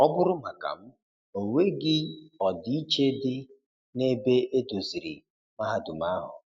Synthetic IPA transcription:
ɔ˦bʊ˦ɾʊ˦ma˨ka̰˨m̩˦ | o˨we˦ɡɪ˦ɔ˨dɪ˦i˦t͡ʃe˦dɪ˦ | ne˦be˦ʔe˦to˨zi˨ɾḭ˨ | ma˦ɦa˨dʊ˨ma˦ɦʊ̰˨

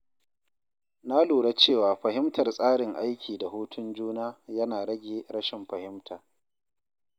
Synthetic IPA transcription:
na˦luː˨ɽa˦t͡ʃeː˦˨waː˨ɸɐ˨ɦɪ˦mtɐ˨rsʼaː˦ɽɪ˨ŋʔa˦jkʲiː˨da˨ɦuː˦tʰʊ˦nd͡ʒuː˦naː˦jɐ˦naː˨ɽɐ˦ɡʲeː˨ɽɐ˦ʃɪ˨mɸɐ˨hɪ˦mtʰaː˨

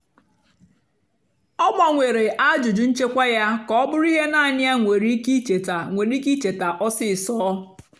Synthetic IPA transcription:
ɔ˦ɡ͡ba˨ŋʷe˨ɾe˨ʔa˦d͡ʒʊ˨d͡ʒu˨n̩˦t͡ʃe˦kʷa˦ja˦kɔ˦bʊ˦ɾi˦ɦe˦na˦˨nɪ˦a˦ŋʷe˨ɾi˦ki˦t͡ʃe˨ta˨ŋʷe˨ɾi˦ki˦t͡ʃe˨ta˨ʔɔ˦sɪ˦˨sɔː˦

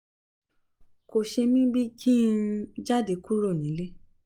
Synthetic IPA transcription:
ko˨ʃe˧mĩ˦bi˦kʰĩ˦˧d͡ʒa˦˨de˨˦ku˦ɾo˦˨nĩ˨˦le˦

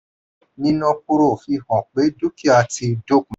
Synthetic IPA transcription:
nĩ˦nɔ̃˧ku˧ɾo˦˨fi˧hɔ̃˨k͡pe˨˦du˦ki˦a˧ti˧do˦˨k̚m˨

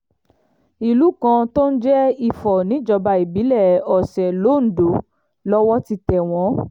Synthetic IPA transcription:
i˧lu˨˦kã˧to˦n̩˦d͡ʒɛ˦i˧fɔ˨nĩ˨˦d͡ʒɔ˧ba˧i˨bi˨˦lɛ˦˨ɔ˨sɛ˨lo˨˦˨n̩˨do˨˦ | lɔ˦wɔ˦ti˧tɛ˨w̃ɔ̃˨˦

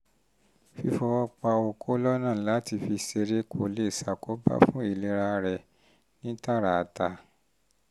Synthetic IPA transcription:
fi˧fɔ˧wɔ˦˧k͡pa˧o˧kʰo˦lɔ˦nã˦˨la˨˦ti˧fi˧se˧ɾe˦ko̰˨le˦˨sa˨ko˦ba̰˦fũ˦i˨le˨˦ɾa˧ɾɛ˨ | nĩ˦ta˦˨ɾa˨ta˧˦

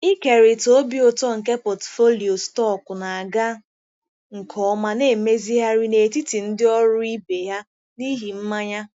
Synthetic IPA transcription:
i˦ke˨ɾi˨to˦bi˦o˨tɔ˦ŋ̩˨ke˦pɔ˨tfo˦li˨o˨stɔ˦˨kʊ˨na˨a˨ɡa˦ | ŋ̩˨kʰɔ˦ma˦ne˦˨me˦zi˦ɦa˦ɾi˦ne˨ti˦ti˨n̩˦dɪ˦ɔ˦ɾʊ˦i˦be˨ɦa˦ | ni˦ɦi˨m̩˦ma˦ɲa˦

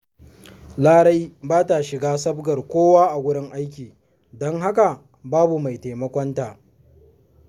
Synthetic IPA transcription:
laː˦ɽa˦jbaː˦ta˨ʃɪ˨ɡaː˦sɐ˦bɡɐ˨rkʷoː˦waː˦ʔa˨ɡʷʊ˦ɽɪ˦ŋʔa˦jk̬ʲiː˨ | dɔ˦ŋɦa˦ka˨ | baː˦bu˨ma˨jte˨mɐ˦kʷɔ˦ntaː˨ʔ

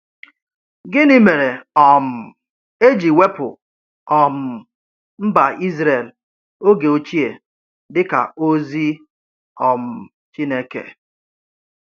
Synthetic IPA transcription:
ɡɪ˦nɪ˦me˨ɾe˨ɔ˨m̩˨ | e˦d͡ʒi˨we˦pʊ̰˨ | ɔ˨m̩˨ | m̩˦ba˨i˦zɾe˨l | o˦ɡe˨o˨t͡ʃi˦e˨ | dɪ˦ka̰˨o˦zi˦ | ɔ˨m̩˨ | t͡ʃi˦ne˦kḛ˨

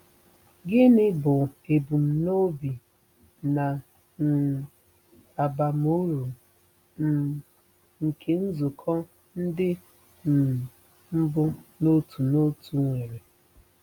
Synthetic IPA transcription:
ɡɪ˦nɪ˦bʊ˨e˨bu˨m̩˨no˦bi˨ | na˨ | a˨ba˨m˦u˦ɾu˨˦ | ŋ̩˨kʰe˨n̩˦zʊ˨kʰɔ˦ | n̩˦dɪ˦˨ | m̩˦bʊ˦no˦tʰu˨no˦tu˨ŋʷe˨ɾe˨

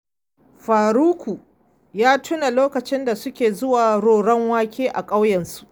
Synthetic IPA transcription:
ɸaː˨ɾuː˦kʰʷu˨ | jaː˦tʰʊ˦na˨loː˦kɐ˨t͡ʃɪ˦nda˨sʊ˦kʲeː˨zʊ˦waː˨ɾoː˨ɽɐ˦ŋwaː˦kʲʰeː˦ʔa˨kʼa˦wjɛ˨nsu̥˦ʔ

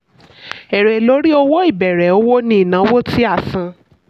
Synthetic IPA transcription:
ɛ˨ɾɛ˨lo˨˦ɾi˦o˧wo˦i˦˨bɛ˨ɾɛ˨˦o˦wo˦nĩ˧˦i˨nã˨˦wo˦ti˦a˦˨sã˨˧

